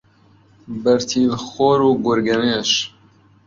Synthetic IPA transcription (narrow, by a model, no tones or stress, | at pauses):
bəɾt̪ʰiːlxoːɾuːɡʊɾɡɐneʃ